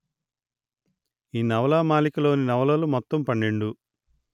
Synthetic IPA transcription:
iːnɐʋɐlaːmaːlikɐlo̞ːninɐʋɐlɐlumɔt̪ːɐmpɐɳːeɳɖu

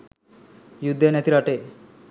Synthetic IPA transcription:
jud̪ʱːenet̪iɾaʈe

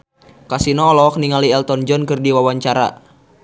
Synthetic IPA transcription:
kasinɔːlɔk̚niŋaliɛlt̪ɔnd͡ʒɔnkɨrdiwawaɲt͡ʃaɾa̰

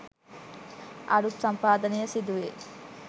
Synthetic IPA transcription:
ʔɐ̰ɽut̪sɐmpaːd̪ɐnejɐsid̪uʋe

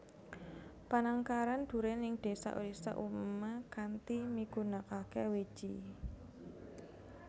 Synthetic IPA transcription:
panaŋkaɾand̪̥ṳɾɛnɪŋd̪̥e̤sa̰ʔṵɾisa̰ʔummakant̪imiɡ̥ṳnakakɛwed̥ʒ̥ḭ

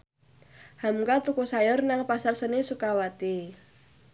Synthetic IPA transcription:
hamkat̪ukusajɔrnaŋpasarsənesukawat̪i

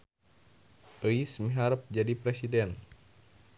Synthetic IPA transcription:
ʔəismiɦaɾəp̚d͡ʒadipɾɛsidɛn

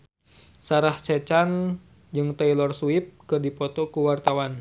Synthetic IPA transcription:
saɾaht͡ʃɛt͡ʃan | d͡ʒɨŋt̪ailɔrsuip̚kɨrdipɔt̪ɔkuwart̪awan

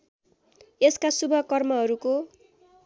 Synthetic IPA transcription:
eskasubʱʌkʌrmʌɦʌɾuko

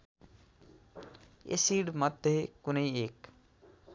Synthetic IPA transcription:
ḛsiɽmʌd̪ʱjekunəiek

